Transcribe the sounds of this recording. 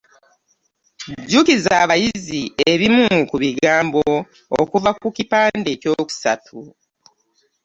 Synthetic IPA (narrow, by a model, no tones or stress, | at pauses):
ɟukizaβajizieβimukuβiɡaːmbo̞ | okuvakucipaːndeco̞ku̥sa̰tʰu